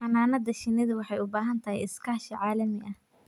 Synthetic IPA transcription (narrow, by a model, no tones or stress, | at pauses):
ɐnaːnɐdɐʃɪnɪðʊwɑħɑjʊbaːɦɐnt̪ʰɐhɛjɪskʰaːʃɐʕɑːlɐmɪʔɐh